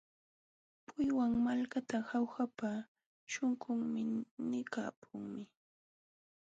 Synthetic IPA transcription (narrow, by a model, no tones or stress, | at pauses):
pʊjwaŋmalkat̪ahawxapa | t͡ʃʊŋkʊŋmɪnɪka̰ːpʰʊŋmɪ